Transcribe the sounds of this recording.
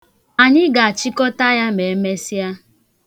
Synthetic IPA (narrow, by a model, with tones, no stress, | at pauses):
a˨ɲɪ˦ɡa˨a˨t͡ʃi˦kɔ˦ta˦ja˦me˨˦me˦si˦a˦